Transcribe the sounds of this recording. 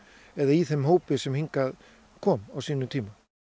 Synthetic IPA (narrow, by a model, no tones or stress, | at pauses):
ɛðaiθemɦoːwpɪsɛmhiŋkað | kʰɔːmawsiːnʏt̪ʰiːma